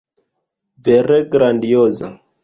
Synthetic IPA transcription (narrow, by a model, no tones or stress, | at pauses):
vɛɾɛɡɾandiɔza̰